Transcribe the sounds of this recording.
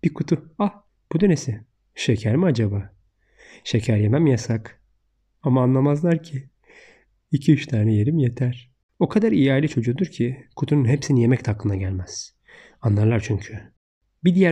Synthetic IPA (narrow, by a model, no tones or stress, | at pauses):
b̥ikʰut̪ʰua | b̥ud̪ø̞nesɪ | ʃe̞cʰæɾmiad͡ʒabaː | ʃecʰæɾjemɛmjasak | amaːnlˠamazlˠaɾcʰi | icʰiyt͡ʃt̪ʰaːnɛje̞ɾimje̞t̪ʰæɾ̥ | okʰad̪aɾijaːlʲit͡ʃʰo̞d͡ʒud̪uɾcʰikʰut̪ʰununɦepsinije̞mɛct̪ʰhaklːˠɯnd̪aɟælʲmɛz̥ | anlˠaɾlˠaɾt͡ʃʰyɲcʰy | bid̪ijæ